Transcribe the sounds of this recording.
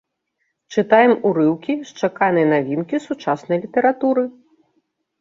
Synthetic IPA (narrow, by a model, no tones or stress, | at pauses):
t͡ʂɨt̪ajɛmuɾɨwkʲist͡ʂakanɐjɐnavʲinkʲisut͡ʂasnɐjlʲit̪ɛɾat̪uɾɨ